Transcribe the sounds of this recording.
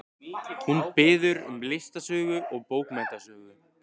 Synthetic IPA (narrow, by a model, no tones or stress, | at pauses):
hunpɪːðʏɾʏ̰mlɪst̪asœːɣʏʔɔɣpoːwkmat̪asœːɣʏ